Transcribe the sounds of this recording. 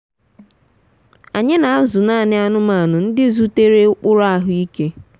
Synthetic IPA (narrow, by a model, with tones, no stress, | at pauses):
a˨ɲɪ˦na˨a˦zʊ˨na˦˨˦nɪ˦a˨nʊ˦ma˨nʊ˨n̩˦dɪ˦zu˦te˦ɾe˦ʊ˦k͡pʊ˦ɾa˦ɦʊ˦i˦ke˦